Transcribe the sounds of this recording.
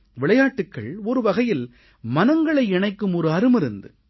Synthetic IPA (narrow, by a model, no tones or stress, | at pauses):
ʋɪɭɐjaːʈːɯkːɐ̰ɭɔɾɯʋɐɣɐjɪl | mɐnɐŋɡɐɭɐɪɛɳɐɪkːɯmɔɾɯɐɾɯmɪɾɯnd̪ɯ̰